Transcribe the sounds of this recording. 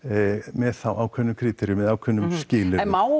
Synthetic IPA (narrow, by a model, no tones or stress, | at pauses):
mɛθawʔawkʰvɛnːʏmkʰɾiːt̪ʰɛɾjʏmɛðaːwkʰvɛnːʏmscɪːlɪmaw